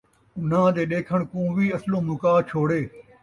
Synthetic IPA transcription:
ʊn̤ãːd̪eːɗeːkʰəɳ̃kõːʋiːəslõːmʊkaːt͡ʃʰoːɽeː

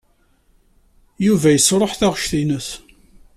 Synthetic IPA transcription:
juvæjəsɾˤoħθæʁʃθinəθ

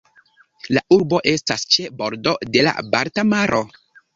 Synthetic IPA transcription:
laʔuɾbo̞ʔe̞stast͡ʃebo̞ɾdo̞de̞la̰baɾtamaɾʔo̞

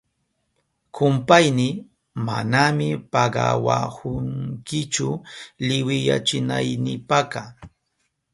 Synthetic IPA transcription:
kʰʊmpajnɪ | ma̰namɪpɑɢɑwahʊŋkɪt͡ʃʊlɪwɪja̰t͡ʃɪnajnɪpakɑ

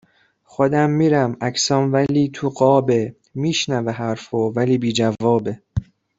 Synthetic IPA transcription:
xod̪æmːiːɾæmæcʰsɒːmvæliːt̪ʰuɢɒːbe | miːʃnæveɦæɾfovæliːbiːd͡ʒævɒːbe̞

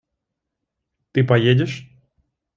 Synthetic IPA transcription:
t̪ɨpɐjedʲɪʂ

